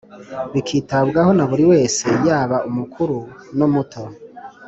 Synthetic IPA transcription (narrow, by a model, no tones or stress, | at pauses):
βikʰiːtabɡaho̞naβuɾiwe̞ːse̞jaːβaʔumukʰuɾunomutʰo̞